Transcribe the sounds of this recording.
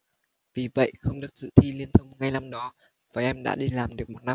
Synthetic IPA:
vi˨˩və̰˧˨jxə˧wŋ͡mɗɨ˨˩ək̚z̥ɨ̰˧˨t̪ʰi˧li˧ənt̪ʰə˧wŋ͡mŋa˧jna˧mɗɔ˨˦ | vaː˨˩˦ʔɛ˧mɗa̰ː˧˥ɗi˧laː˨˩mɗɨ˨˩ək̚mo˨˩t̚na˧

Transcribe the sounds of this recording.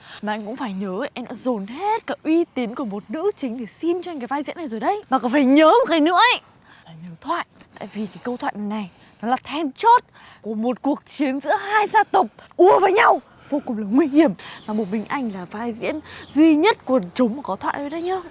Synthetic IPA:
maː˨ʔa˧jŋ̟kʊ̰˧˥ŋ͡mfaː˧˩jɲəː˨˦ʔɛ˧mɗa̰ː˧˥zo˨˩nɦe˦˥t̚kaː˨˦ʔwi˧t̪i˨˦ənku˧˩əmo˨˩t̚nɨ̰˧˥t͡ɕï˨˦ŋ̟t̪ʰe˧˩si˧nt͡ɕɔ˧ŋkaː˨˦vaː˧zḭ˧˥ənːa˨˩jzo˨˩jɗə˧jmaː˨˩kɔ˨˦t̪ʰe˧˩ɲəː˨˦mo˨˩t̚kaː˨˦jnɨ̰˧˥əʔə˧˩j | laː˨˩ɲəː˨˦t̪ʰwa̰ː˧˨jt̪a̰ː˧˨jvi˨˩kaː˨˦jkə˧wt̪ʰwa̰ː˧˨jn˨˩jna˨˩j | nɔ˨˦laː˨˩t̪ʰɛ˧nt͡ɕo˦˥t̚ | ku˧˩əmo˨˩t̚ku˨˩ək̚t͡ɕi˨˦ənzɨ̰˧˥əhaː˧jzaː˧t̪ə˨˩k͡p̚ʔu˧əvəː˨˦jɲa˧w | vo˧kʊ˨˩ŋ͡mlaː˨˩ŋwi˧hi˧˩əmmaː˨˩mo˨˩t̚mï˨˩ŋ̟ʔa˧jŋ̟laː˨˩vaː˧jzḭ˧˥ənzwi˧ɲə˦˥t̚kwnt͡ɕʊ˨˦ŋ͡mmaː˨˩kɔ˨˦t̪ʰwa̰ː˧˨jʔəː˨˦jɗə˧jɲaː˧

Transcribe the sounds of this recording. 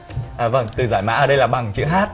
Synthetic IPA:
ʔəː˨˩və˧˩ŋt̪ɨ˨˩zaː˧˩jma̰ː˧˥ʔəː˧˩ɗə˧jlaː˨˩ɓa˨˩ŋt͡ɕɨ̰˧˥ɦaː˦˥t̚

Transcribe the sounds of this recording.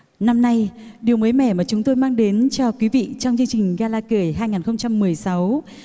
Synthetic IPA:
na˧mna˧jɗi˨˩əwməː˨˦jmɛ˧˩maː˨˩t͡ɕʊ˨˦ŋ͡mt̪o˧jmaː˧ŋɗe˨˦nt͡ɕɔ˧kwi˨˦vḭ˧˨t͡ɕɔ˧wŋ͡mt͡ɕɨ˧əŋt͡ɕï˨˩ŋ̟ɣaː˧laː˧kɨ˧˩əjɦaː˧jŋaː˨˩nxə˧wŋ͡mt͡ɕa˧mːɨ˨˩əjsa˨˦w

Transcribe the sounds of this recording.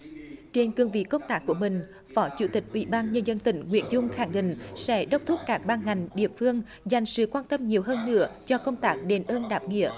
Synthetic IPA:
t͡ɕe˧nkɨ˧əŋvḭ˧˨kə˧wŋ͡mt̪aː˦˥k̚ːu˧˩əmï˨˩ŋ̟ | fɔ˨˦t͡ɕṵ˧˩t̪ï˨˩k̟̚ʔwḭ˧˩ɓaː˧nɲə˧nzə˧nt̪ï˧˩ŋ̟ŋwḭ˧˥ənzʊ˧ŋ͡mxaː˧˩ŋɗḭ̈˧˨ŋ̟sɛ̰˧˥˦ɗə˦˥wk͡p̚t̪ʰu˦˥p̚kaː˦˥k̚ɓaː˧nŋa˨˩jŋ̟ɗḭ˧˨əmfɨ˧əŋ | za˨˩jŋ̟sɨ̰˧˨kwaː˧nt̪ə˧mɲi˨˩əwɦəː˧nːɨ̰˧˥ət͡ɕɔ˧kə˧wŋ͡mt̪aː˦˥k̚ɗe˨˦nʔəː˧nɗaː˨˩p̚ŋḭ˧˨ə

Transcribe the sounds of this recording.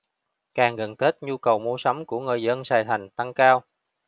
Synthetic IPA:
kaː˨˩ŋɣə˨˩nt̪ʰe˦˥t̚ɲu˧kə˨˩wmo˧sɔ˨˦wŋ͡mku˧˩əŋɨ˨˩jzə˧nsaː˨˩jt̪ʰa˨˩jŋ̟t̪a˧ŋkaː˧w

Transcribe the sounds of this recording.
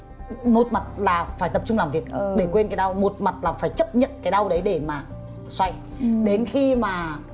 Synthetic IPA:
no˨˩t̚ma˨˩t̚laː˨˩faː˧˩jt̪ə˨˩p̚t͡ɕʊ˧ŋ͡mlaː˨˩mvi˨˩ək̚ːɗe˧˩kwe˧nka˨˦jɗa˧wno˨˩t̚ma˨˩t̚laː˨˩faː˧˩jt͡ɕə˦˥p̚ɲə̰˧˨nkaː˨˦jɗa˧wɗə˨˦jɗe˧˩maː˨˩ | swa˧j | ɗe˨˦nxi˧maː˨˩

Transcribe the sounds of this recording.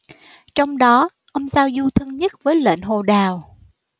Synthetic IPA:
t͡ɕɔ˧wŋ͡mɗɔ˨˦ | ʔə˧wŋ͡mzaː˧wzu˧t̪ʰɨ˧ŋɲə˦˥t̚vəː˨˦jlḛ˧˨nɦo˨˩ɗaː˨˩w

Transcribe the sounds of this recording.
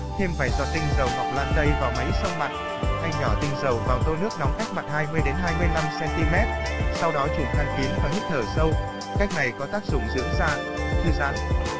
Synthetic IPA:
t̪ʰe˧mfaː˧˩jzɔ̰˧˩t̪ï˧ŋ̟zə˨˩wma̰˨k͡p̚la̰ː˧˨nt̪ə˧jvaː˨˩wma˨˦jsə˧wma̰˨t̚ | ʔa˧jɲɔ˧˩t̪ï˧ŋ̟zə˨˩wvaː˨˩wt̪o˧nɨ˦˥ək̚nɔ˨˦ŋ͡mka˦˥jk̚ma˨˩t̚haː˧jmɨ˧əjɗe˨˦nɦaː˧jmɨ˧əjla˧msɛ˧nt̪i˧mɛ˦˥t̚sa˧wɗɔ˨˦t͡ɕʊ˨˧˩ŋxʰaː˨˧ŋki˨˦ənkɔ˨˦hi˦˥t̚t̪ʰəː˧˩sə˧w | ka˦˥k̚na˨˩jkɔ˨˦t̪aː˦˥k̚zʊ̰˧˩ŋ͡mzɨ̰˧˥əŋzaː˧ | t̪ʰɨ˧za̰ː˧˥n

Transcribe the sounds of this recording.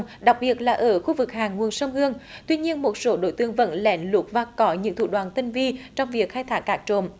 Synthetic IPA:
ŋ͡mɗa˨˩wk͡p̚ɓi˨˩ət̚laː˨˩ʔəː˧˩xu˧vɨ˨˩k̚haː˨˩ŋːu˨˩ənsə˧wŋ͡mhɨ˧əŋt̪wi˧ɲi˧ənmo˨˩t̚so˨˦ɗo̰˧˨˦jt̪ɨ˧əŋvə̰˧˥nlɛ˨˦nlu˨˥t̚vaː˨˩kɔ˨˦ɲɨ̰˧˥ŋt̪ʰṵ˧˩ɗwaː˨˩nt̪ï˧ŋvi˧t͡ɕɔ˧wŋ͡mvi˨˩ək̚xaː˧jt̪ʰaː˨˦˥k̚ːaː˦˥k̚t͡ɕo̰˧˨m

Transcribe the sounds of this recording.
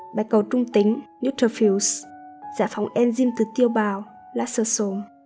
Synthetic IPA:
ɓaː˨˦jkə˨˩wt͡ɕʊ˧ŋ͡mt̪ï˨˦ŋ̟nu˦˥t̪ʰə˧˩fi˧˨wsz̥a̰ː˧˩fa˨˦wŋ͡mʔɛ˧nzi˧mt̪ɨ˨˩t̪i˧əwɓaː˨˩w | laː˧˥səː˧˩so˨˦m

